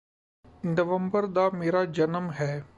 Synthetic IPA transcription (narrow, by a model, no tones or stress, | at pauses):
nəʋəmbəɾd̪ameːɾad͡ʒɐnəmɦɛː